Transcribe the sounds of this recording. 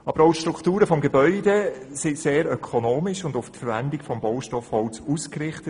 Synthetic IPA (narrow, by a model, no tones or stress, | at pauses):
ʔɑb̥əɾɔʊʃtɾuktuːɾəfɔmɡebœʏdesiseːɾœkʰɔnoːmɪʃʊndʊftfəɾvændɪɡfɔmbɔʊʃtɔfhɔwt͡suːskɾɪχtət